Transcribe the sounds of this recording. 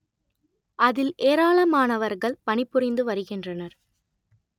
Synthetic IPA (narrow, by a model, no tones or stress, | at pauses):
ʔɐðɪlʔeːɾaːɭɐmaːnɐʋɐɾɣɐɭpɐɳɪpːɯrɪnd̪ɯʋɐɾɯɣɪndrɐnɐɾ